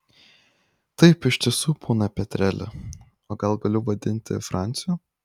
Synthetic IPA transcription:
t̪ɐɪpɪʃʲt̪ʲɪsuːpʰoːnɐpʲɛt̪ʲɾʲɛlʲɪ̰ | oːɡɐlˠɡɐlʲʊʋɐd̪ʲɪnʲt̪ʲɪ̰fɾɑˑnʲt̪sʲɪjuː

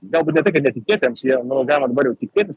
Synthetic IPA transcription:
ɡɐlˠbuːt̪nʲɛt̪ɐɪkɐt̪nʲɛt̪ʲɪkʲeːt̪ʲɪɛmsjiɛnʊɡɑːlʲɪmɐd̪ɐbɐɾjɛʊt̪ʲɪkʲeːt̪ʲɪs

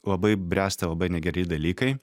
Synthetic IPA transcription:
lˠɐbɐɪbʲɾʲæːsʲt̪ʲɐlˠɐbɐɪnʲɛɡʲɛɾʲɪd̪ɐlʲiːkɐɪ

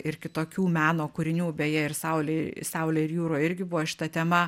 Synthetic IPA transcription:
ɪrkʲɪt̪oːkʲuːmʲæːnoːkʊɾʲɪnʲuːbʲeːjɛɪrsɐʊlʲesɐʊlʲeːɪrjuːɾoːɪɾʲɡʲɪbʊʋoʃʲɪ̥t̪ɐt̪ʲɛmɐ

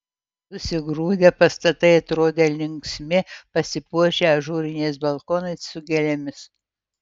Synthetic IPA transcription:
sʊsʲɪɡɾuːd̪ʲɛpɐst̪ɐt̪ɐɪɐt̪ɾoːd̪ʲelʲɪŋksʲmʲɪpɐsʲɪpuɔʒʲeɐʒuːɾʲɪnʲɛɪs̬bɐlˠkoːnɐɪsːʊɡʲɛlʲɛmʲɪs

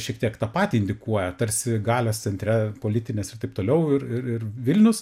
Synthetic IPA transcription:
ʃʲiɛkt̪ʲiɛkt̪ɑːpɑːt̪ʲiɪnʲd̪ʲɪkuɔjɛt̪ɐɾʲsʲɪɡɑːlʲoːst͡ssʲɛnʲt̪ʲɾʲɛpoːlʲɪt̪ʲɪnʲeːsɪrt̪ɐɪpt̪oːlʲɛʊɪrɪɾɪrʋʲɪlʲnʲʊs

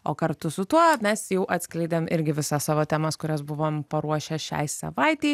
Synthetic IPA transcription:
oːkɐɾt̪ʊsʊt̪uɔmʲɛsjɛʊʔɐt̪sʲklʲɛɪd̪ʲeːmɪɾʲɡʲɪʋʲɪsɑːssɑːʋoːt̪ʲæːmɑskʊɾʲɛsbʊʋoːmpɐɾuɔʃʲɛʃʲɛ̰ɪsɐ̰ʋɐɪt̪ʲɛɪ

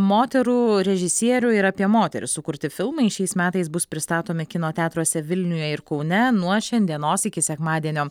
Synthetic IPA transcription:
moːt̪ʲɛɾuːɾʲɛʒʲɪsʲiɛɾʲʊɪɾɐːpʲiɛmoːt̪ʲɛɾʲɪssʊkʊɾʲt̪ʲɪfʲɪlˠmɐɪʃʲɛɪsmʲæːt̪ɐɪsbʊspʲɾʲɪst̪ɑːt̪oːmʲɪkʲɪnoːt̪ʲæːt̪ɾuɔsʲɛʋʲɪlʲnʲʊjɛɪɾkɐʊnʲɛnuɔʃʲɛnʲd̪ʲiɛnoːsɪkʲɪsʲɛkmɑːd̪ʲiɛnʲoː

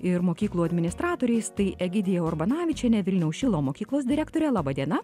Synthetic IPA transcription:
ɪɾmoːkʲiːklˠuːɐd̪ʲmʲɪnʲɪst̪ɾɑːt̪oːɾʲɛɪst̪ɐɪʔɛɡʲɪd̪ʲɪjɛɔɾbɐnɑːʋʲɪt͡ʃʲɛnʲɛʋʲɪlʲnʲɛʊsʃʲɪlˠoːmoːkʲiːklˠoːs̬d̪ʲɪɾʲækt̪oːɾʲɛlˠɑːbɐd̪ʲiɛnɐ

